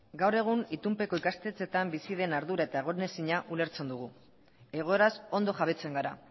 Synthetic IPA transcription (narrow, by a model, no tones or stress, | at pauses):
ɡawre̞ɣ̞unit̪umpe̞ko̞ikast̪e̞t͡se̞t̪ambisið̞e̞naɾðuɾae̞t̪ae̞ɣo̞ɾne̞siɲaʔule̞ɾt͡se̞nd̪uɣ̞u | e̞ɣ̞o̞e̞ɾaso̞nd̪o̞ʝaβ̞e̞t͡se̞ŋɡaɾa̰